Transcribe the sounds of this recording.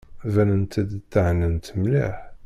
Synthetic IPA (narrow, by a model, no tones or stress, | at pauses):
vænənt̪æd̪t̪ːəʕnənt̪mlḭħ